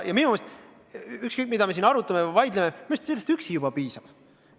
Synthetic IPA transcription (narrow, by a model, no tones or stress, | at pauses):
jɑminumest̪ | ykskɤjk̚ˑmid̪ɑmesinɑɾut̪ːˑɑmevɑjd̪lememimst̪selːest̪yksijub̥ɑpiːsɑb̥